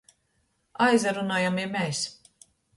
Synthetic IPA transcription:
ajzaɾunaːjamimɛjs

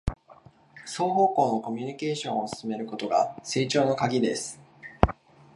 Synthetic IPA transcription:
so̞ːɦo̞ːko̞ːno̞ko̞mʲiɲ̟ike̞ːɕõ̞ɰ̃osɨ̥sɨme̞ɾɯ̟ko̞t̪o̞ɡa̰se̞ːt͡ɕo̞ːno̞kaɡʲid̪e̞sɨ̥

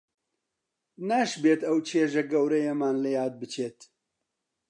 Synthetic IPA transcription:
naʃbeːt̪ɐwt͡ʃʰeʒeɡɐwɾɛjemaːnlɛjaːd̪̚bɨt͡ʃʰeːt̪

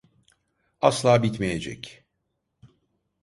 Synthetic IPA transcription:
aslˠaːbit̪mejed͡ʒɛ̰c

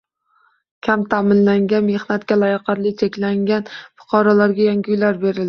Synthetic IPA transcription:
kʲʰamt̪ʰamɪnlaŋɡʲanme̞hnat̪kʲalajɑqʰɑɾlɪt͡ʃʰekʲlaŋɡʲanfʊ̥qʰɒɾɒlaɾɡʲajaŋɡʲʊjlaɾbe̞ɾɪlɪ

